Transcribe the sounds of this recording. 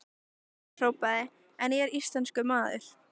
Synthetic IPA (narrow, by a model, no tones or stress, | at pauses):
r̥oːwpaðɪ | ɛnɛɾist̪lanskʏmaːðɪ̰ɾ̥